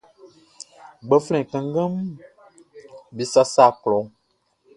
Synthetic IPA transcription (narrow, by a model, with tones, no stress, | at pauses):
ɡ͡bə˦flɛ̃˨kə̃˨ŋ˦ɡə̃˦m˦ | bi˨˦sa˦saː˦˨klɔ˨